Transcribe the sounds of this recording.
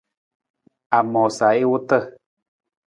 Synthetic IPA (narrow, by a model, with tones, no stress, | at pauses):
a˨mo˨sa˨e˦wu˦t̪ə˦˧